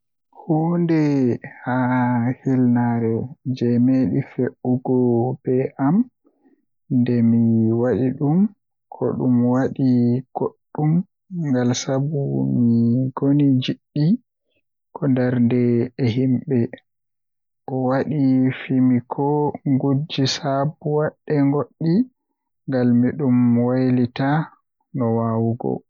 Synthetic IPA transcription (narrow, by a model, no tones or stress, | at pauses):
huːndɛhahilnaɾɛd͡ʒɛmeɗifeʔuɡɔb̥ɛʔam | ndɛmiwaɗiɗum | kʰɔ̰ɗumwaɗiɡ̥oɗːum | ŋɡalsabumiɡonid͡ʒiɗːi | kʰɔndɛɾndɛːɦimɓɛ | ʔɔwaɗifimikʰɔŋɡud͡ʒːisabuwaɗːɛŋɡoɗːi | ŋɡalmiɗumwajlita | nɔwawuɡɔ̰